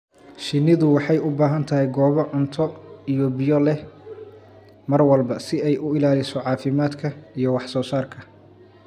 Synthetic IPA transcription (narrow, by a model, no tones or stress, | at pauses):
ʃɪnːɪðʊwɑħɑjʊbaːɦɐnt̪ʰɐɦɛjɡɔːβɔʕʊnt̪ʰɔijɔbɪjɔlɛ | mɐrwɐlbɐsɪɛjʔʊɪlaːlɪsɔʕɑːfɪmaːd̪kʰɐijɞwɑħsɔːsaːrkʰɐ